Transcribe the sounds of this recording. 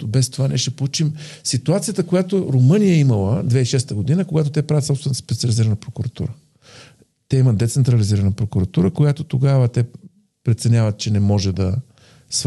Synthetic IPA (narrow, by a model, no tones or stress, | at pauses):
bɛst̪ovanɛʃɛpolˠut͡ʃimsit̪uat̪sijət̪əkojat̪oɾomɤnijəɛiməlˠəd̪vɛiʃɛst̪əɡod̪inəkoɡat̪ot̪ɛpɾavət̪sɔpst̪vɛnspɛt̪siəliziɾənəpɾokʊɾɐt̪ṵɾə | t̪ɛiməd̪ɛt̪sɛnt̪ɾɐliziɾənəpɾokuɾɐt̪uɾəkojat̪ot̪oɡavət̪ɛ | pɾɛt̪sɛnʲjavət̪̚t͡ʃɛnɛmɔʒɛd̪ɐ | s